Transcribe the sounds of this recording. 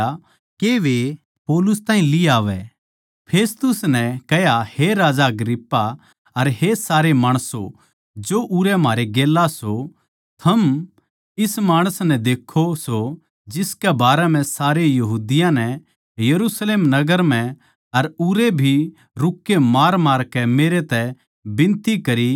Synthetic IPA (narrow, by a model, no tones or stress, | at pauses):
keʋe | pɔːlʊst̪ãːɦĩliaːʋɛ | pʰeːst̪ʊsnɛkɛɦjaheɾaːd͡ʒaɐɡɾɪpːa | ɐɾɦesaːɾemaːɽ̃əso | d͡ʒoːʔʊɾɛm̤aːɾeɡeːlːaso | t̪ʰɐm | ɪsmaːɽ̃əsnɛd̪eːkʰːoso | d͡ʒɪskɛbaːɾɛmɛ̃saːɾejɐɦuːd̪ɪjãnɛ | jɐɾusleːmnɐɡəɾm̤ɛ̃ | ɐɾʊɾebʱi | ɾʊkːemaːɾmaːɾkɛmeːɾet̪ɛ | bɪ̃nt̪ikɐɾi